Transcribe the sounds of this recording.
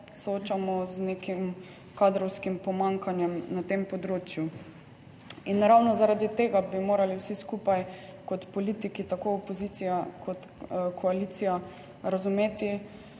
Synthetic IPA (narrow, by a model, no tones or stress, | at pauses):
sɔoːt͡ʃamɔznekim | kad̪ɾɔwskimpɔmaŋkanjɛmnat̪empɔd̪ɾoːt͡ʃju | inːaɾawnɔzaɾad̪it̪eːɡabimoːɾaliwsiskupajkɔt̪pɔliːt̪ikit̪akoopɔzit̪sijakʰɔt̪kʰɔaliːt̪sija | ɾazumeːt̪i